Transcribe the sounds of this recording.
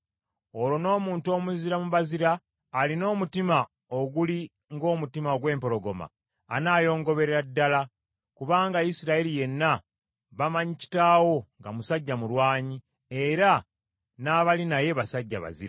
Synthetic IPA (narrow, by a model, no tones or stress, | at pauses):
o̞ɾo̞no̞ːmuːnto̞ːmuziɾamuβaziɾaː | lino̞ːmutima | o̞ɡuli | ŋɡo̞ːmutimaoɡwe̞ːmpo̞ɾo̞ɡo̞ma̰ː | naːjo̞ːŋɡo̞βe̞ɾeɾadːala | kuβaːŋɡajisiɾaelije̞nːa | βamaɲici̥tawo̞ŋɡamusaɟːamulwaːɲi | e̞ɾa | naːβalinaje̞βasaɟːa̰βa̰zḭɾa